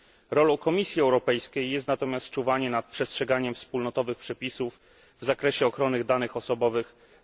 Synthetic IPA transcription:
ɾɔlɔ̃w̃kɔmʲisʲjiɛwɾɔpɛjskʲejːɛst̪nat̪ɔmʲjast̪̚t͡ʂuvaɲɛnat̪̚pʂɛstʂɛɡaɲɛmfspulnɔt̪ɔvɘxpʂɛpʲisuf | vzakɾɛɕɛɔxɾɔnɘɣd̪anɘxɔsɔbɔvɘx

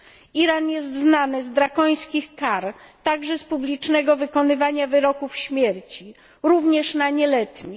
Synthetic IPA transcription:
iɾanjɛst̪znanɘzd̪ɾakɔj̃skʲixkaɾt̪aɡʐɛspublʲit͡ʂnɛɡɔvɘkɔnɘvaɲavɘɾɔkufɕmʲjɛɾt͡ɕi | ɾuvɲɛʂnaɲɛlɛt̪ɲi

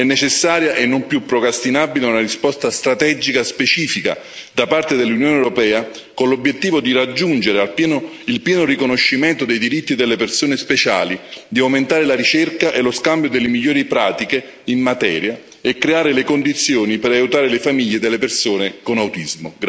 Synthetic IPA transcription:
ɛnːet͡ʃesːaːɾjaʔenːompjupːɾokɾast̪inaːbileunarispɔst̪ast̪ɾat̪ɛd͡ʒikaspet͡ʃiːfika̰ | d̪apart̪ed̪elːunjoːneɛɾopɛːa | konlobjet̪ːiːvod̪irad͡ʒːund͡ʒeɾealpjɛno | ilpjɛːnorikonoʃːiment̪od̪ejd̪iɾit̪ːid̪elːepersoːnespet͡ʃa̰ːlid̪iawment̪aːɾelaɾit͡ʃerkaʔeloskambjod̪elːemiʎːoːɾipɾaːt̪ike | imːat̪ɛ̰ːɾja | ekːɾeaːɾelekond̪it̪sːjoːnipeɾajut̪aːɾelefamiʎːed̪elːepersoːnekonawt̪izmo̰

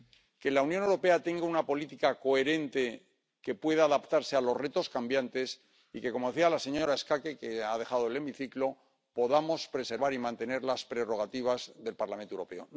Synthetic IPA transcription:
ke̞lauwnjonewɾo̞pe̞at̪e̞ŋɡaunapo̞lit̪ikako̞e̞ɾe̞nt̪e̞ | ke̞pwe̞ðaːðapt̪aɾse̞alo̞zre̞t̪o̞skambjant̪e̞s | ike̞komo̞ðe̞θialase̞ɲo̞ɾae̞skakeke̞aðe̞χað̞oele̞miθiklo̞ | po̞ðamo̞spɾe̞se̞ɾβaɾimãnt̪e̞ne̞ɾlaspɾe̞ro̞ɣ̞at̪iβ̞azðe̞lpaɾlament̪oewɾo̞peo̞̰

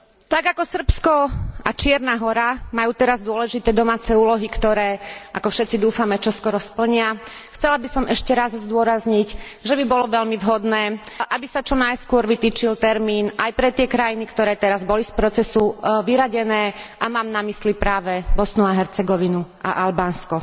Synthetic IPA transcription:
t̪aɡakɔsr̩pskɔat͡ʃɪɛɾnaɦɔɾamajuːt̪ɛɾazd̪ʊɔlɛʒit̪ɛːd̪ɔmaːt͡sɛuːlɔɦikt̪ɔɾɛːʔakɔfʃɛt̪t͡sid̪uːfamɛt͡ʃɔskɔɾɔspl̩ɲɪaxt͡sɛlabisɔmʔɛʃcɛɾazzd̪ʊɔɾazɲicʒɛbibɔlɔʋɛʎmivɦɔd̪nɛː | ʔabisat͡ʃɔnajskʊɔɾʋit̪iːt͡ʃilt̪ɛɾmiːnʔajpɾɛt̪ɪɛkɾajinikt̪ɔɾɛːt̪ɛɾazbɔlispɾɔt͡sɛsuʋiɾaɟɛnɛːʔamaːmnamislipɾaːʋɛbɔsnuaɦɛɾt͡sɛɡɔʋinu | a̰ʔalbaːnskɔ

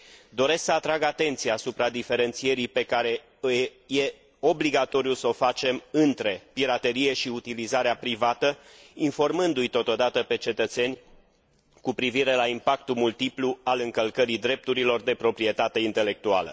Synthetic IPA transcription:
d̪o̞ɾe̞sksəat̪ɾaɡat̪e̞nt̪sijaːsupɾad̪ife̞ɾe̞nt̪sie̞ɾipe̞kaɾe̞ | ɨjje̞ | o̞bliɡat̪o̞ɾiusəo̞fat͡ʃe̞mɨnt̪ɾe̞piɾat̪e̞ɾije̞ʃiut̪ilizaɾeapɾivat̪əinfo̞rmɨnd̪ujt̪o̞t̪o̞d̪at̪əpe̞t͡ʃe̞t̪ət̪se̞nʲ | kupɾiviɾe̞laimpak̚t̪umult̪iplualɨŋkəlkəɾid̪ɾe̞p̚t̪uɾilo̞rd̪e̞pɾo̞pɾie̞t̪at̪e̞int̪e̞le̞k̚t̪ua̰lə̰

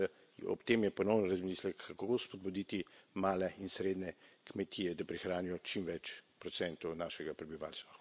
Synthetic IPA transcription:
ɔ̰pt̪eːmjɛpɔnɔwnɾazmiːslɛkːakospɔd̪bud̪iːt̪imaːlɛinsɾeːd̪nɛkmɛt̪ʰijɛd̪apɾixɾaːnijɔt͡ʃimʋɛt͡ʃpɾɔt̪sɛnt̪ɔnaʃɛɡapɾɛbiʋa̰ːlst̪ʋa

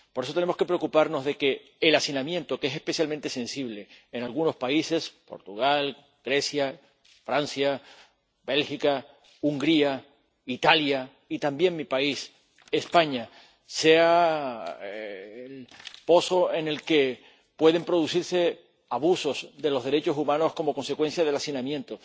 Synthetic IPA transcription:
poɾes̬ot̪enemo̞ske̞pɾe̞okupaɾno̞zðe̞ke̞ː | lasinamjẽ̞nt̪o̞kesehpe̞sjalment̪e̞se̞nsiβ̞le̞ːnalɣuno̞spaise̞spo̞̰ɾt̪uɣ̞al | ɡ̥ɾe̞sja | fɾansja | be̞lxika | uŋɡɾia | it̪alja | it̪ambje̞ŋmipais | espaɲa | se̞a | lpo̞so̞e̞ne̞lke̞ | pwe̞ðe̞mpɾo̞ð̞usiɾse̞ | aβuso̞zd̪e̞lo̞zðe̞ɾe̞t͡ʃosumãno̞sko̞mo̞ko̞nse̞kwe̞nsjað̞e̞lasinãmjent̪o̞

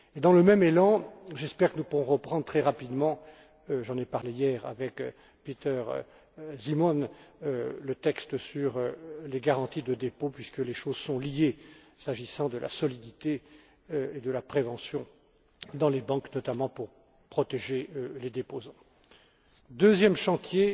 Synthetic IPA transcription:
ed̪ɑ̃ləmɛmelɑ̃ʒɛspɛʁkənupuʁɔ̃ʁəpχɑ̃d̪ʁt̪χɛʁapid̪mɑ̃ | ʒɑ̃nepaʁlejɛʁa̰vɛk | pit̪œʁ̰ | zimɔn | lət̪ɛkst̪əsyʁøleɡaʁɑ̃t̪id̪əd̪epopɥiskəleʃozsɔ̃lije | saʒisɑ̃d̪əlʔa̰sɔlid̪it̪e | ed̪əlapχevɑ̃sjɔ̃ | d̪ɑ̃lebɑ̃knɔt̪amɑ̃puʁ | pχɔt̪eʒeøled̪epozɑ̃ | d̪øzjɛmʃɑ̃t̪je

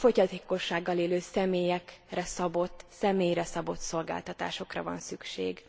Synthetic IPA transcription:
fo̞ɟɒt̪eːko̞ʃːaːɡːɒleːløːsɛmeːjɛkrɛsɒbo̞t̪ːsɛmeːjɾɛsɒbo̞t̪so̞lɡa̰ːlt̪ɒt̪a̰ːʃo̞krɒ̰vɒ̰nsykʃḛːɡ

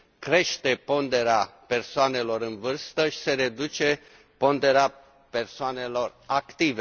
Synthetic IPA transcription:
kɾe̞ʃt̪e̞po̞nd̪e̞ɾeape̞rsoane̞lo̞ɾɨnvɨrst̪əʃi̥se̞ɾe̞d̪ut͡ʃe̞ | po̞nd̪e̞ɾea | pe̞rsoane̞lo̞rakt̪ive

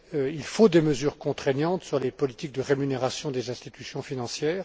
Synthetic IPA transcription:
ilfod̪eməzyʁkɔ̃t̪χɛɲɑ̃t̪syʁlepɔlit̪ik̚d̪əʁemyneʁasjɔ̃d̪ezɛ̃st̪it̪ysjɔ̃finɑ̃sjɛːʁ

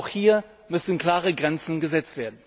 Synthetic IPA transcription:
ʊxhiːɐ | mʏsn̩kl̥aːʁəɡʁɛnt͡sn̩ɡəzɛt͡stv̥eːɐdn̩

